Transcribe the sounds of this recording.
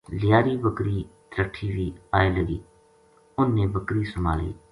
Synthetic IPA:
lɪjaːɾiːbəkɾiːt̪ɾəʈʰiːʋiːaːeːləɡḭː | ʊnːeːbəkɾiːsʊma̰ːlḭː

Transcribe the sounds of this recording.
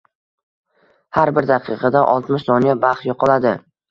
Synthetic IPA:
haɾbɪɾd̪ɑqʰɨqʰɑd̪aʔɒlˠt̪mɪʃsɒnijabaχt̪jɒqʰɑlˠad̪ɪ

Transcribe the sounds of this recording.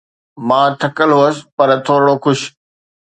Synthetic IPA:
mãːt̪ʰɐkəlɦuəsɪ̥̆pɐɾt̪ʰoːɾɽoxʊʃ

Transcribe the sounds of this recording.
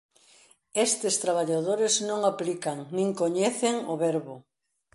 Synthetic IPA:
est̪ɪst̪ɾaβaʎaðoɾeznõŋaplikaŋnĩŋkoɲeθeŋʊβɛɾβʊ

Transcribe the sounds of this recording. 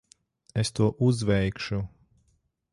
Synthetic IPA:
est̪uɔʔuzvɛjkʃu

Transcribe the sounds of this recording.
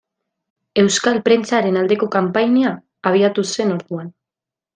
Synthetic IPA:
e̞wskalpɾe̞nt͡saɾe̞nald̪e̞ko̞kampajneaː | β̞iat̪use̞no̞ɾðuan

